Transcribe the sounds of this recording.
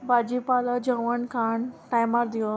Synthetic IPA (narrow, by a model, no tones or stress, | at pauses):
bad͡ʑipalad͡ʑəʋəɳkʰaɳʈajmaɾd̪iə